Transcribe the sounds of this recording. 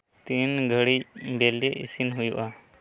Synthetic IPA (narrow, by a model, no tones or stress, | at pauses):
t̪inɡʱəɽicbeleʔḭsinɦujṵʔa